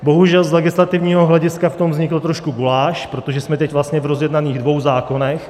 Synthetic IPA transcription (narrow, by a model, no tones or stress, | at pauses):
bo̞ɦuʒɛlzlɛɡɪslat̪ɪvɲiːɦoɦlɛɟɪskaft̪o̞mvzɲɪkl̩t̪ɾo̞ʃkuɡulaːʃpɾo̞t̪oʒɛsmɛt̪ɛcvlast̪ɲɛvɾozjɛdnaniːɣdvo̞wzaːko̞nɛx